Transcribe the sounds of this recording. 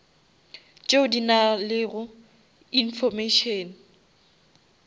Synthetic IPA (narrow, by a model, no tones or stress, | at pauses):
t͡ʃʼeʊdinalɪɣʊ | infɔmeʃɔːn̩